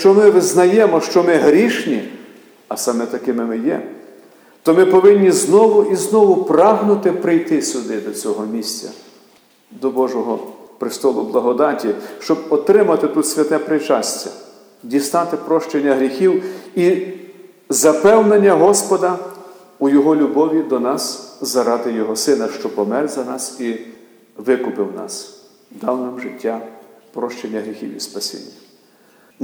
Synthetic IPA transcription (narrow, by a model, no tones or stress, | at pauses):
t͡ʃɔmɪʋɪznɐjɛmɔʃt͡ʃɔmɪɦɾʲiʃnʲi | ɐsɑmɛt̪ɐkɪmɪmɪjɛ̰ | t̪ɔmɪpɔʋɪnʲːiznɔʋʊʔiznɔʋʊpɾɑɦnʊt̪ɪpɾɪjt̪ɪsʲʊd̪ɪd̪ɔt͡sʲɔɦɔmʲisʲt͡sʲɐ̰ | d̪ɔbɔʒɔɦɔpɾɪst̪ɔlˠʊblˠɐɦɔd̪ɑtʲiʃt͡ʃɔbɔt̪ɾɪmɐt̪ɪt̪ut̪sʲʋʲɐt̪ɛpɾɪt͡ʃɑsʲt͡sʲɐ̰ | dʲisnɑt̪ɪpɾɔʃt͡ʃenʲːɐɦɾʲixʲiwi | zɐpɛwnenʲːɐɦɔspɔd̪ɐ | ujɔɦɔlʲʊbɔʋʲid̪ɔnɑszɐɾɑt̪ɪjɔɦɔsɪnɐʃt͡ʃɔpɔmɛrzɐnɑsi | ʋɪkʊpɪwnɑ̰s | d̪ɑwnɐmʒɪtʲːapɾɔʃt͡ʃenʲːɐɦɾʲixʲḭwḭspɐsʲḭnʲːɐ